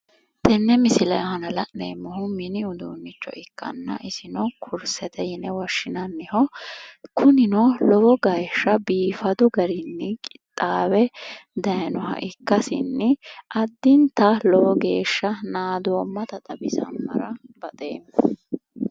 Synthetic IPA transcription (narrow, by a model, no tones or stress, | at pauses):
t̪ɛnːɛmɪsɪlɐjhɐnɐlɐeːmːɔɦʊmɪnɪʊd̪uːnːɪt͡ʃːɔ̰ʔɪkːɐ̰nːɐ̰ʔɪsɪnɔkʰʊɾsɛt̪ʰɛjɪnɛwɐʃːɪnɐnːɪhɔ | kʰʊnɪnɔlɔwɔɡɐjʃːɐbiːfɐd̪ʊɡɐɾɪnːɪkʼɪt̪ʼːaːbɛd̪ɐjnɔhɐ̰ʔɪkːɐsɪ̰nːɪʔɐd̪ːɪnt̪ɐlɔwɔɡe̞ːʃːɐnaːd̪oːmːɐt̪ɐt̪ʼɐbɪsɐ̰mːɐ̰ɾɐbɐt̪ʼḛːmːɔ